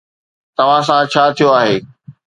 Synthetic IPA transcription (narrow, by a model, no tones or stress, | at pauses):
t̪ɐʋ̤ãsãt͡ɕʰaːt̪ʰijoaːɦeː